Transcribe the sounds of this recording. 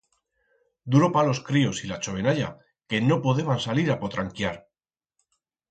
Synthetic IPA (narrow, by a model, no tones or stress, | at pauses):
d̪uɾo̞palo̞skɾio̞silat͡ʃo̞β̞e̞naʎa̰ | ke̞no̞poðe̞βansaliɾapo̞t̪ɾaŋkjaɾ